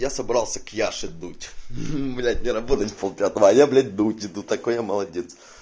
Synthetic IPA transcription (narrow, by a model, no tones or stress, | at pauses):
jasɐbɾɑlˠsʲəkjaʂɨd̪utʲblʲat̚ʲnʲɪɾɐbot̪ətʲpolˠpʲat̪əvəːjablʲat̚ʲd̪utʲɪd̪ut̪ɐkojaməlˠɐdʲet̪s